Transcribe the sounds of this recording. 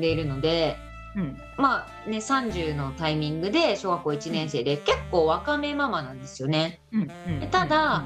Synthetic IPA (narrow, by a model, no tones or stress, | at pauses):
d̪e̞iɾɯ̟no̞d̪e̞ | ma | ne̞sãɲ̟d͡ʑɨːno̞t̪aimʲĩŋɡɯ̟d̪e̞ɕo̞ːɡakːo̞it͡ɕinẽ̞ɰ̃se̞ːd̪e̞ke̞kːo̞ːβakame̞mamanãnd̪e̞sɨjo̞ne̞ | d̪et̪ad̪a